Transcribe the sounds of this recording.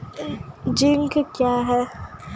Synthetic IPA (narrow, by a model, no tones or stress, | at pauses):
d͡ʒiŋkəkjaɦɛ